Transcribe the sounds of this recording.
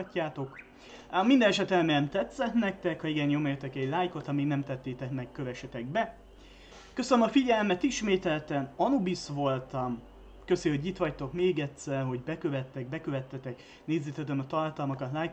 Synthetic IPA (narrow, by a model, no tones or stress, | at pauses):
cːaːt̪o̞k | mind̪ɛnɛʃɛt̪ɛmɛɛmt̪ɛt̪sɛt̪nɛk̚t̪ɛkhɒiɡɛnjomɛjøt̪ːɛkɛɟlaːjko̞t̪ɒmiːɡnɛmt̪ɛt̪ːeːt̪ɛkmɛkːø̞vɛʃɛt̪ɛɡ̚bɛ | køsønømɒfiɟɛlmɛt̪iʃmeːt̪ɛlt̪ɛnɒnubisʋo̞lt̪ɒm | kø̞seoɟit̪ʋɒct̪o̞kmeːɡɛt̪sɛrɦo̞ɟbɛkø̞vɛt̪ːɛɡ̚bɛkø̞vɛt̪ːɛt̪ɛk | neːzːeːt̪ɛd̪ɛnɒt̪ɒrt̪ɒlmɒkɒt̪laːj